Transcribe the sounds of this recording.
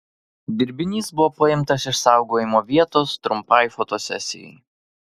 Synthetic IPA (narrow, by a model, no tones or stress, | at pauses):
d̪ʲɪɾʲbʲɪnʲiːsbʊʋoːpɐɪmt̪ɐsɪʃsɑˑʊɡoːjɪmoːʋʲiɛt̪oːst̪ɾʊmpɐjfot̪osʲɛ̰sʲɪ̰jɛ̰ɪ